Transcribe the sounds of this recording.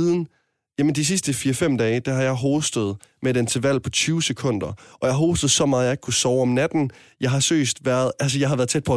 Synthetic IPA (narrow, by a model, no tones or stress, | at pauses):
ðˠn̩ | jæmənd̥is̬isd̥əfiːɐfem̰d̥ɛːɪd̥æhɑ̈jɑ̈ɪɦɔːsd̥əð̞̩ˠ | medent͡sʰe̝ʋæl̰pʰɒ̽t͡sʰyːʊsekʰɔ̽n̰d̥ɐʔɒ̽jɑ̈ɦɔːsd̥əð̩ˠsɒ̽mɑ̈ːð̩ˠjɑ̈e̝ɡ̥kʰusɒʊɒ̽mnæd̥n̩ | jɑ̈ɪɦɑ̈sø̰ːsd̥ʋæɐð̞ˠæls̬əjɑ̈ɪɦɑʋæɐðˠt͡sʰed̥pʰɒ̽